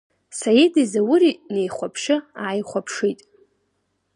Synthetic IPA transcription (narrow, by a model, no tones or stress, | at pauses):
sajidizawʊɾinejχʷapʰʂɨaːjχʷapʰʂijtʼ